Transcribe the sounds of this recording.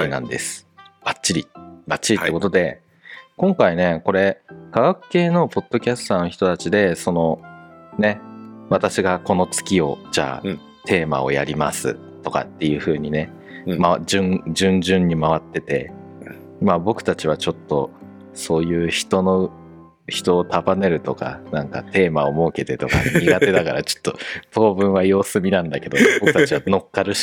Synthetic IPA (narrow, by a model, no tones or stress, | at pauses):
nã̰nd̪esɨ̥b̥at͡ɕɕːiɾʲḭbat͡ɕːiɾʲiekot̪od̪e̞ | kõ̞ŋkaine̞ko̞ɾe̞kaβakɯ̟̥ke̞ːno̞po̞t̪ːo̞kʲasɨ̥t̪ano̞çi̥t̪o̞t̪at͡ɕid̪e̞so̞no̞ne̞βat̪aɕiɡako̞no̞t͡sɨ̥kʲio̞̰d͡ʑa̰ː | t̪ʰe̞ːma̰o̞̰ja̰ɾʲima̰sɨ̰ | t̪o̞ka̰t̪ːe̞jɯ̟ːɸɯ̟ːɲ̟ine̞ | maad͡ʑɨ̃ŋd͡ʑɨ̃ɲd͡ʑɨ̃ɲ̟ːimaβat̪ːe̞t̪e̞̰ | mabo̞kɯ̟̥t̪at͡ɕiβ̞at͡ɕo̞t̪ːo̞̰ | so̞ːjɯ̟ːçi̥t̪o̞no̞ | çi̥t̪o̞ːt̪abane̞ɾɯ̟t̪o̞ka̰nãŋka̰t̪e̞ːmaomo̞ːke̞t̪e̞t̪o̞ka̰ɲiɡat̪e̞d̪akaɾa̰t͡ɕo̥t̪ːopo̞ːbɯ̟̃ɰ̃βajo̞ːsɨmʲinãnd̪ake̞d̪o̞bokɯt̪aat͡ɕiβano̞kːaɾɯ̟ɕ